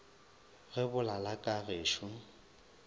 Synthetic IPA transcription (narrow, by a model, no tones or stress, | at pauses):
ɣɪbʊlalakʼaɣeːʃʊ